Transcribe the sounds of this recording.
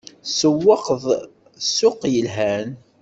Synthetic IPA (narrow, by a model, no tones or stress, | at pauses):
səwːəqəðˤ | sʊqjəlɦæn